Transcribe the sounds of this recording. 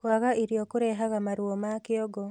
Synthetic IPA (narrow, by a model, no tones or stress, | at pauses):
kwaɣaʔiɾjokuɾɛɦaɣamaɾwomakɪoɡo